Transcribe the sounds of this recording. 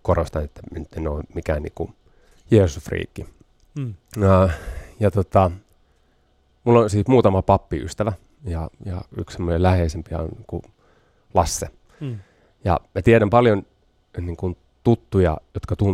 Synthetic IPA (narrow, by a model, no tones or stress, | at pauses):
korost̪ɑnet̪ːænyt̪ːenoimikæ̰ːnḭːŋku | jeːsusfrḭːkːi | jɑt̪ot̪ɑ | mulːonsiːt̪muːt̪ɑmɑpɑpːiy̰st̪æʋæ | jɑjɑ̰ykssemːonelæheisempiæ̰o̰nniːŋkṵ | lɑsːe | jɑ̰mæt̪iæɾæmpɑljon | niːŋkun | t̪ut̪ːujɑ̰jot̪kɑt̪u